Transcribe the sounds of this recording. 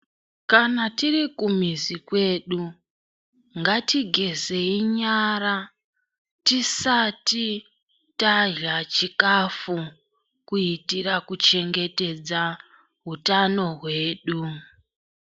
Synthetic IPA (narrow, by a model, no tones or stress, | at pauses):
kanatirikumizikwe̞ːɗu | ŋɡatiɡʱe̞ze̞iɲaɾa | tisati | taʒat͡ʃikafu | kuitiɾakut͡ʃe̞ŋɡe̞te̞d͡za | ɦutano̞ɦwe̞ːɗu